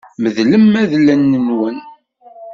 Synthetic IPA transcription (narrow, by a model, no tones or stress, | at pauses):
məðləmːæðlænːənwən